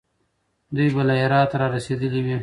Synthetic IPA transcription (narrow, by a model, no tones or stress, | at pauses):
d̪ujbalajaɾɑt̪ɾɑɾased̪əliwi